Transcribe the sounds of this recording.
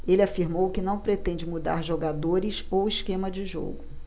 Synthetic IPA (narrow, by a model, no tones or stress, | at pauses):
elʲɪafiɾmowkɪnɐ̃w̃pɾet̪ẽnd͡ʒɪmud̪a̰ɾʒoɡad̪oɾɪsowiskẽmɐd͡ʒɪʒo̰ɡʊ